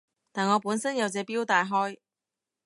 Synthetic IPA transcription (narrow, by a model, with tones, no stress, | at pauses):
t̪aː˨nŋɔː˨˧puː˨˥nsɐ˥njɐ˨˧wt͡sɛː˨˧piː˥wt̪aː˨˧jɦɔː˥j